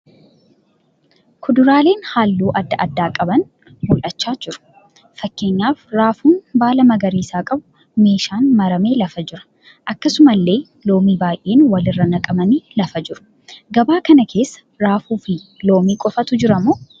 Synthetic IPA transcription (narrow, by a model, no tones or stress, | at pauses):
kʰʊd̪ʊɾaːle̞ːnhaːlːuːʔɐd̪ːɐʔɐd̪ːaːkʼɐbɐn | mʊlʔɐt͡ʃːaːd͡ʒɪɾʊ̥ | fɐkːe̞ːɲːaːfɾaːfuːnbaːlɐmɐɡɐɾiːsaːkʼɐbʊ | me̞ːʃaːnmɐɾɐme̞ːlɐfɐd͡ʒɪɾɐ̥ | ʔɐkːɐsʊmɐlːe̞ː | lo̞ːmiːbaːjʔeːnwɐlɪrːɐnɐkʼɐbɐniːlɐfɐd͡ʒɪɾʊ̥ | ɡɐbaːkɐnɐkʰe̞ːsːɐ̥ɾaːfuːfɪlo̞ːmiːkʼɔfɐt̪ʊd͡ʒɪɾɐmuː